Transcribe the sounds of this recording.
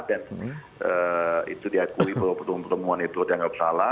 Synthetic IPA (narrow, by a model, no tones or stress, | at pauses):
dɛn | əḭt̪udiakuippət̪npərt̪əmuanit̪ut̪jaŋɡabəsala